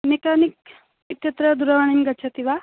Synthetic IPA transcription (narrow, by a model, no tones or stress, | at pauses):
mekanik̚ | it̪jɐt̪ɾəd̪uɾɐʋaɳ̃inɡɐt͡ʃʰɐt̪iʋa